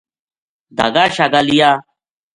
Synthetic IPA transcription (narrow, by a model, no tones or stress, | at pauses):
d̪a̰ɡaɕaɡalijaː